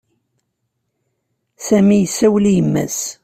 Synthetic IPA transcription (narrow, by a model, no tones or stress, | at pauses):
sæmijəsːæwlijəmːæ̰s